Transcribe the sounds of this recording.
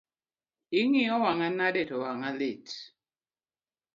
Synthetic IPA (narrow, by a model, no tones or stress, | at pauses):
iŋiɔwaŋanadɛtɔwaŋalet